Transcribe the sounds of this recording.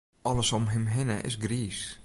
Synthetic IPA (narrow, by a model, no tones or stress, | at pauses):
ɔləsɔmɦɪmɦɪnəʔɪ̰sɡriːs